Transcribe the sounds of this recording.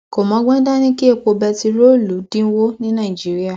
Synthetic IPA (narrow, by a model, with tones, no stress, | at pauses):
ko˨mɔ̃˨˦ɡ͡bɛ̃˦da˦nĩ˦ki˦e˦˨k͡po˧bɛ˧ti˧ɾo˦˨lu˨˦dĩ˦wo˦nĩ˦nã˦˨i˨d͡ʒi˨˦ɾi˦a˦˨